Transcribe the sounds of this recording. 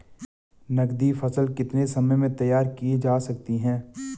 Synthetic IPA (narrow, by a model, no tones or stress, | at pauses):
nɐɡd̪ifɐsəlkɪt̪nesɐməjmẽt̪ɐjaːɾkied͡ʒaːsɐk̚t̪iɦɛ̃ː